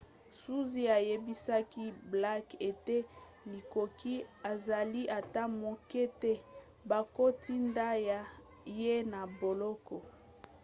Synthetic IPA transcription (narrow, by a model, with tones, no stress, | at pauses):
su˦zi˦a˨je˦bi˦sa˦ki˦bla˦ke˨te˦ | li˨ko˨ki˦a˨za˨li˦ʔa˨ta˦mo˨kɛ˦te˦ | ba˨ko˦tʰi˦nda˦ja˨ | je˦na˨bo˨lɔ˦kɔ˨